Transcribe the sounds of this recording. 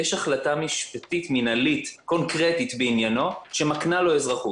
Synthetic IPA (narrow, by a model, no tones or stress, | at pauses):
jeʃaχlatamiʃpat̪it̪minalit̪ko̞nkʁetit̪beinjano̞ʃe̞maknalo̞ezʁaχu